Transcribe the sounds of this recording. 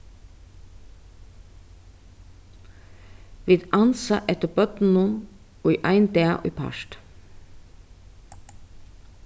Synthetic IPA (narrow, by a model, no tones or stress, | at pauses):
ʋiːd̪ɑnsɑʔɛt̪əbœt̪n̩ʊn | oːiːʔɑɪnd̪eːɑ̰ʔḭːpʰɑ̰ʃt̪